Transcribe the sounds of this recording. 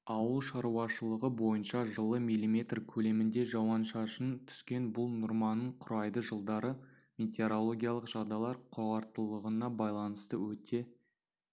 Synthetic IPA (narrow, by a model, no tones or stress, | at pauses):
ɑwəlˠʃɑɾuɑʃəlˠəʁəbo̞jənʃɑʒəlˠəmijlʲimʲe̞t̪rkʲʰɵle̞mɪnd̪e̞ʒɑwɑnʃɑʃənt̪ʰʏ̥skʲe̞nbʊlˠnʊɾmɑnəɴqʰʊɾɑjd̪əʒəlˠd̪ɑɾə | mʲe̞t̪e̞ɾo̞lˠo̞ɡʲijalˠəqʒ̥ɑd̪ɑlˠɑɾqʰʊʁɑɾt̪əlˠəʁənɑbɑjlˠɑnəst̪əwɵt̪e̞